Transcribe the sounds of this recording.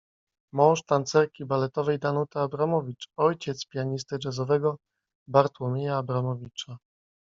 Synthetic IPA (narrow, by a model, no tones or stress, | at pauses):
mɔ̃w̃ʂt̪ant̪sɛɾkʲibalɛt̪ɔvɛjd̪anut̪aːbɾamɔvʲit͡ʂɔjt͡ɕɛt̪spʲjaɲist̪ɘd͡ʐɛzɔvɛɡɔ | baɾt̪wɔmʲejaːbɾamɔvʲit͡ʂa